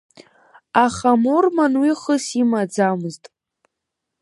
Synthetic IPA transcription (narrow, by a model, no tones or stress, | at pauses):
aχamormanwiχəsimad͡zamɨztʼ